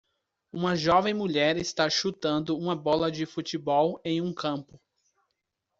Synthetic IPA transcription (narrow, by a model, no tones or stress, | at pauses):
ũmɐʒɔvẽj̃muʎɛɾɪst̪aʃut̪ɐ̃nd̪ʊũmɐbɔlɐd͡ʒɪfut͡ʃibɔwẽj̃ũkɐ̃mpʊ